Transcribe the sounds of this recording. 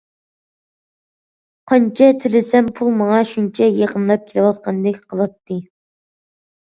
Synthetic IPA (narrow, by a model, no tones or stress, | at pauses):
qʰɑnt͡ʃʰɛt̪ʰɪlɪsɛmpʰulˠmɑŋɑʃunt͡ʃʰɛjeqənlˠɑp̚kʲʰelɨwɑt̪̚qʰɑnd̪ɪkʲqʰəlˠɑt̪ʰːɨ